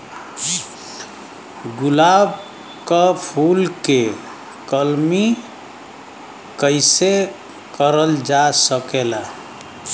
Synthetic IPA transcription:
ɡulab | kəpʰulke | kəlmi | kəɪse | kəɾəld͡ʒasəkela

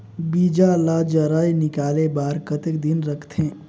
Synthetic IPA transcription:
bid͡ʒalad͡ʒəɾəjnɪkaːlebaːɾkət̪ekd̪inɾəkʰt̪ʰẽː

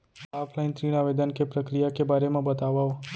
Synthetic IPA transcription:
apʰlajnt̪ɾinaʋed̪ənkepɾəkɾijakebʱaɾemãbət̪aʋao

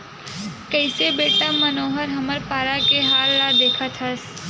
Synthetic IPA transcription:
kəɪsebeːʈamənoːɦəɾɦəməɾpaːɾakeɦaːlːad̪eːkʰət̪ʰɦəs

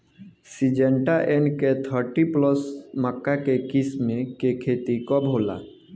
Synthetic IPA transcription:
sid͡ʒeɳʈaʔenket̪ʰəɾʈiplɔsməkːakekismekekʰet̪ikɔbʱɦola̰

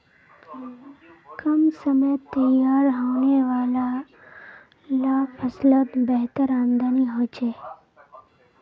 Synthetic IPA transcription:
kəmsəmet̪əjaːɾɦəʋneʋaːla | lapʰəslət̪bəɦt̪əɾand̪aniɦoːt͡ʃʰeː

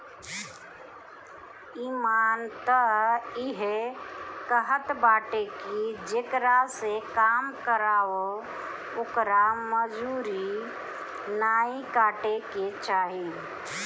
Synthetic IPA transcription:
iːmaːnt̪əiɦekəɦət̪baːʈekid͡ʒekɾasekaːmkəɾaːo | okɾaməd͡ʒuɾi | naːikaːʈeket͡ʃaːɦi

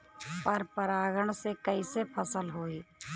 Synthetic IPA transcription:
pəɾpəɾaːɡəɳ̃sekəisepʰəsəlɦoːiː

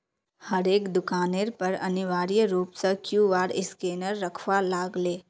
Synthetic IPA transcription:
hɐɾeːkd̪ʊkaːneːɾpɐɾɐ̰nɪʋaːɾijɾuːpsəkjuːʋaːɽɪskeːnəɾːɐkʰʋalaːɡleː

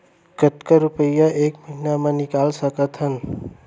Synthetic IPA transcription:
kət̪kəɾupəjaʔeːkməɦinamãnɪkaːlsəkət̪ʰɦən

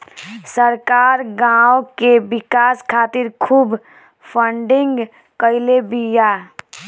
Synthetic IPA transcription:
səɾkaːɾɡãokebɪkaːskʰat̪iɾkʰuːb | pʰəɳɖɪŋɡ | kəɪlebija

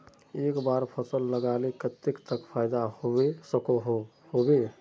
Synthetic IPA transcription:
ekbaɾpʰəsəlːəɡalekət̪ːekt̪əkpʰajd̪ahobesəko | hobe

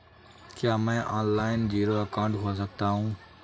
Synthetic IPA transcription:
kjaːmɛ̃ːʔaːnlaːɪnd͡ʑiːɾoːəkãːɳʈɦuas̬əɡ̚t̪aːɦũː

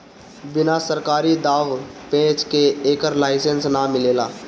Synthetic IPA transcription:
bɪnasəɾkaːɾid̪aːʋpẽːt͡ʃkeeːkəɾlaːɪsənsnamɪleːlaː

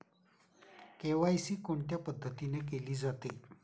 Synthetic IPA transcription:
keʋajsiːkoɳt̪japəd̪ʱːət̪inek̬eliːd͡zat̪e

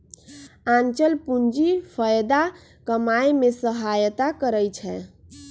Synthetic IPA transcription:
ãnt͡ʃəlpund͡ʒipʰəjd̪a | kəmajmesəɦajt̪akəɾəjt͡ʃʰɛ

